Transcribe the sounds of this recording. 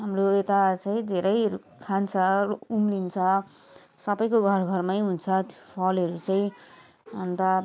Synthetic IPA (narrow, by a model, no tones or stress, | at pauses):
ɦamroet̪at͡sãĩd̪ʱeɾʌj | kʰant͡sʰʌumlint͡sʰʌ | sʌbʌjkoɡʱʌrɡʱʌrmajɦunt͡sʰʌpʰʌlʌɾut͡saĩ | ʌnt̪a